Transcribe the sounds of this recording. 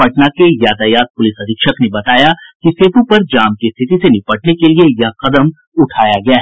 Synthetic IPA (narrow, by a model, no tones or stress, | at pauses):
pɐʈnakejaːd̪ajaːt̪̚pʊlɪsɐd̪ʱɪkʃəknebɐt̪aːjakiseːp̪ũpɐɾd͡ʒaːmkest̪ʰɪt̪isenɪpəʈnekeliejɐɦqɐd̪əm | ʊʈʰaːjaɡɐjaɦɛ